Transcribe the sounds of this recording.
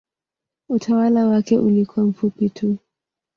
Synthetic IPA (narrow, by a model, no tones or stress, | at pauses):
utʰawalawakɛʔulikʰwam̩fupitʰu